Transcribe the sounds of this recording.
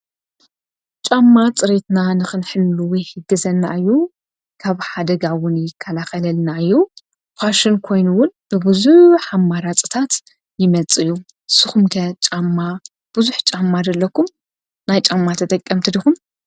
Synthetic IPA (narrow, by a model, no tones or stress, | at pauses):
t͡ʃʼamːat͡sʼɨɾe̞t̪nanɨxɨnħɨlːuwɔjhɨɡɐzɐnːa̰ɨjːu | kʰaβħad̪ɐɡawʊnjɪkʰːɐlaxɐlɐlnaɨjːu | xʷaʃɪnkʰo̞jnuwʊnb̥ɨbɨzuħamːaɾat͡sʼɨ̥t̪ʰat̪ | jɪmɐt͡sʼɨjːu | sɨxumkʰɐt͡ʃʼamːa | b̥ɨzuħt͡ʃʼamːad̪ɐlːɐkʰum | najt͡ʃʼamːat̪ʰɐt̪ʼɐkʼːɐmt̪ʰɨd̪ixum